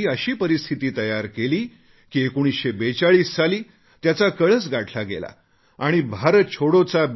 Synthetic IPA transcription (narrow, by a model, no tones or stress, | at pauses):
iːəɕiːpəɾist̪ʰit̪iːt̪əjaɾkeliː | kiekoɽ̃isɕebet͡saɭiːsːaliː | t̪jat͡sakəɭət͡sɡʱaʈʰlaɡḛla̰ | aɽ̃ibʱaɾət͡ɕʰoɽot͡sab